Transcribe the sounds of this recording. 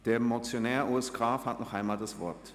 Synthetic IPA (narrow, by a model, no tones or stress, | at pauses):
d̥eːɐmot͡sjonɛːɐʔuɛsɡ̥ʁaːfhatnɔχʔaɪnmaːldasv̥ɔɐt